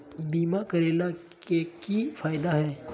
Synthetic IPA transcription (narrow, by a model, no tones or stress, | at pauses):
biːmakɐɾeːla | kekifaːjd̪aɦɛː